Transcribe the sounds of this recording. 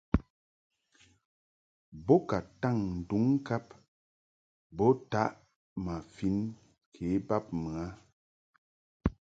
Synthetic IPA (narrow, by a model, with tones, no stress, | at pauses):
bɔ˦ka˨ta˦˨ŋn̩˨du˨˦ŋ˦ka˦p | bɔ˦ta˦ʔ | ma˨fi˨˦n | kʰe˨˦ba˦p̚mɨ˨a˦